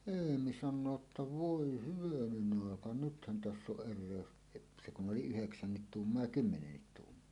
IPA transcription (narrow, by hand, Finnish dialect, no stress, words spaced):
eːmi sɑnːoː tːɑ ʋoi hyʋænen ɑˑekɑ nythæn tæsː oʔ ʔerˑeˑøs et se kun oli yheksænːit tuːmːoɑ jɑ kymːenenːit tuːmːoɑ